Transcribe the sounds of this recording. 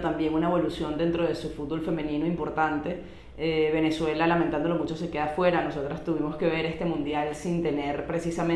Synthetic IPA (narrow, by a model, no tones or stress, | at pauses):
t̪ambje̞ŋunae̞βo̞lusjo̞nd̪e̞nt̪ɾo̞ðe̞sufut̪̚bo̞lfe̞mẽnĩnoimpo̞ɾt̪ant̪e̞ | eβe̞ne̞swe̞lalament̪and̪olo̞mut͡ʃo̞se̞ke̞ðafwe̞ɾano̞so̞t̪ɾast̪uβimo̞ske̞βe̞ɾe̞st̪e̞mũnd̪jalsint̪e̞ne̞ɾpɾe̞sisamẽ